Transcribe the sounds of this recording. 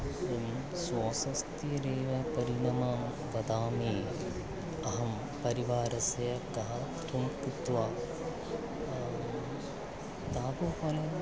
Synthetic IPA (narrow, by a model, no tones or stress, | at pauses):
swoːsɐst̪iɾeːʋɐpɐɾiɳɐmɐm | ʋɐd̪aːmi | ɐɦɐm | pɐɾiʋaːɾɐsɐjɐkɐɦɐ | t̪ʰumkit̪ʋaː | t̪aːbopɐlɐ